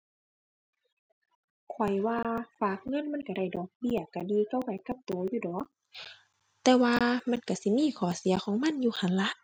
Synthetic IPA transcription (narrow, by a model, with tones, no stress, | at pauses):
kʰɔ˨˩jwaː˧faː˧˩k̚ŋɤ˧˥˨nma˧˥˨nka˧˦ɾa˧˩jdɔː˨˦k̚bi˧˩ɐ˨ka˧˩diː˧ka˧˨wpa˨˦jka˧˦p̚t̪oː˨˦juː˧˩dɔː˨˦k̚ | t̪ɛː˧waː˧ma˧˥˨nka˧˩si˧˦miː˧˥˨kʰɔː˨˩si˨˦ɐxʰɔː˨˦ŋma˧˥˨njuː˧˩kʰa˨˦nla˧ʔ